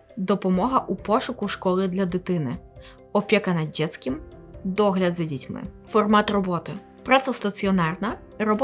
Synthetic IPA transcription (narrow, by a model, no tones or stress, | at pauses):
d̪ɔpɔmɔɦɐʔupɔʃʊkʊʃkɔlˠɪd̪lʲɐd̪ɪt̪ɪnɪ | ɔpʲɛkɐnɐd̪̚ːʲɛt̪sʲkɪmd̪ɔɦlʲɐd̪zɐdʲitʲmɪ̰fɔrmɑt̪rɔbɔt̪ɪ | pɾat̪sɐst̪ɐsʲiɔnɑrnɐ | rɔbɔ